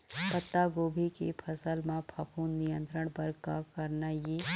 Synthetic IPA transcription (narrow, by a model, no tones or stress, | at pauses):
pət̪ːaɡoːbʱikḛpʰɐsəlmãpʰɐpʰuːnːijə̃nt̪ɾəɽ̃pɐɾka̰kɐɾnajeː